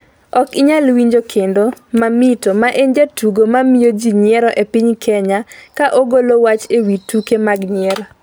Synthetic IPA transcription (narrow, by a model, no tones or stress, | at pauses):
ɔkɪɲalwiɲd͡ʒokʰendomamitomaʔeɲd͡ʒatuɡomamijod͡ʒiɲɪɛɾɔʔepiɲkʰɛɲakaʔoɡolowat͡ʃewitukemaɡɲɪɛɾ